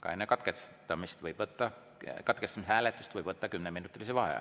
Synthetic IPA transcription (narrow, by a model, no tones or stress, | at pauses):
kɑ̰enːekɑt̪kest̪ːɑmist̪vɤjb̥vɤt̪ːɑ | kɑt̪̚kest̪ɑmishæːlet̪ːˑust̪vɤjb̥vɤt̪ːɑkymneminːut̪ˑːilisevɑɦḛ